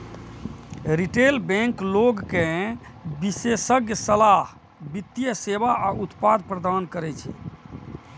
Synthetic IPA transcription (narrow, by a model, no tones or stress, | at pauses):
ɾiʈelbɛ̃ŋkloɡkẽ | bisesəɡjəsəlaɦ | bit̪ːjəsebaʔaut̪pad̪̚pɾəd̪ankəɾɛt͡ʃʰɛ̰